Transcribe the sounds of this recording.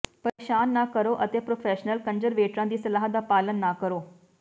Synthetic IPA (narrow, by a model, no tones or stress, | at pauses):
pɐɾeːʃaːnːaːkəɾoːʔɐt̪eːpɾoːfʰɛːʃnəlkɐ̃ɲd͡ʒəɾʋeːʈɾãːd̪iːsɐlaːɦəd̪aːpaːlənːaːkəɾoː